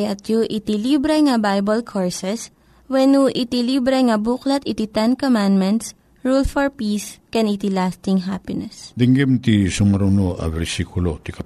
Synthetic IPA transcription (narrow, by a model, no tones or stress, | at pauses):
jɐt̪juʔɪt̪ilibɾɛŋɐbajbɐlkʰoɹsɛs | wɛnuʔɪt̪ilibɾɛŋɐbuklɐt̪ɪt̪it̪ɛnkomãnd̪mɛnt̪s | ɹulfɔɹpiːskɛnit̪ilast̪ɪŋɦapɪnɛsd̪ɪŋɡimt̪isʊmɐɾunoʔɐ̰vɛɾsikʊlot̪ikɐ